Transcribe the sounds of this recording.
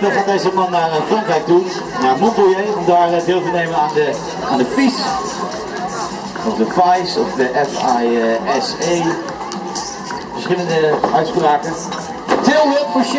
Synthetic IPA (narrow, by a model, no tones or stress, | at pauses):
əχaːt̚dejzəmɑnːaːrənfrɑŋkrɛjk̚tu | jamɔnbəlˠjejɔdaːrədeːlˠvɪnejmənaːndə | aːndəfis | ɔvdəfajsɔfdəʔɛfajɛsej | fəɹsχɪləndəœɥtspraːkən | tɪlˠləpfəɹs